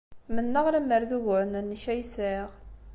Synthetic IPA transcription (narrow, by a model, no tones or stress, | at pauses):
mənːəʁɾæməɾðuʝʊɾnənːiçæjsiʁ